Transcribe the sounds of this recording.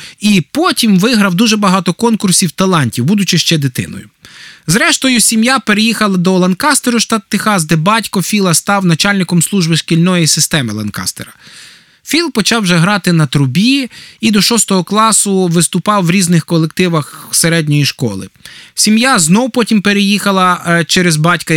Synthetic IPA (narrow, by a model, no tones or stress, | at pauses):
ipɔtʲimʋɪɦɾɐwd̪uʒɛbɐɦɑt̪ɔkɔnkʊrsʲiwt̪ɐlˠɑnʲtʲiwbud̪ʊt͡ʃɪʃt͡ʃɛd̪ɪt̪ɪ̰nɔ̰jʊ̰zɾɛʃt̪ɔjʊsʲimjapeɾejixɐlˠɐd̪ɔlˠɐnkɑst̪eɾʊʃt̪ɑt̪ːɪxɑzd̪ɛbɑtʲkɔfʲilˠɐst̪ɑwnɐt͡ʃɑlʲnɪkɔmslˠuʒbɪʃkʲilʲnɔjisɪst̪ɛmɪlˠɐnkɑ̰st̪eɾɐ | fʲilˠpɔt͡ʃɑwʒɛɦɾɑt̪ɪnɐt̪ɾʊbʲiid̪ɔʃɔst̪ɔɦɔklˠɑsʊʋɪst̪ʊpɑwːɾʲiznɪxkɔlˠek̚t̪ɪʋɐxseɾɛdʲnʲɔjiʃkɔlˠɪ̰sʲimjaznɔwpɔtʲimpeɾejixɐlˠɐt͡ʃɛɾezbɑtʲkɐ